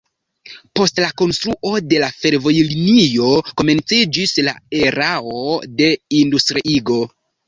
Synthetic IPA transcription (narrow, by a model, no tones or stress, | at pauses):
po̞stlako̞nstɾuʔo̞de̞lafe̞ɾvo̞jlinio̞ko̞me̞nt͡sid͡ʒisla̰e̞ɾaode̞industɾiʔiɡo̞